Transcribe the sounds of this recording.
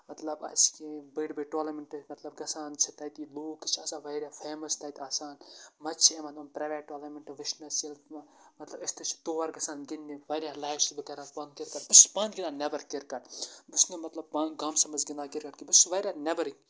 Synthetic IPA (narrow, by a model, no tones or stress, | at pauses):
mɐt̪lɐbɐ̰skibɐɽbeʈoːlɐmɐɳʈmɐt̪lɐbɡɐsaːnt͡ʃʰɐt̪ɐt̪iloːkt͡ʃʰɐsaːʋɐɾʲjaːfʰeːmɐst̪ɐjt̪aːsaːnmɐt͡ʃʰiemɐt̪ɐːnpɾɐːʋeːʈʈːoːlɐɾmɐɳʈʋɨʃnɐsilmɐt̪lɐbist̪ɨt͡ʃʰi̥t̪oːʋɐɾɡɐsaːnɡinːiʋɐɾʲjaːlɐːjt͡ʃbɨkɐɾaːt̪pɐ̃nkɪɾkɐʈbɨspãːnɡinaːnɐbɐɾkiɾkɐʈbusnemɐt̪lɐb̚panɡaːmsɐmɐzɡɪnd̪aːkɪɾkɐʈkibɨsʋɐɾʲaːnʲɐbɐɾi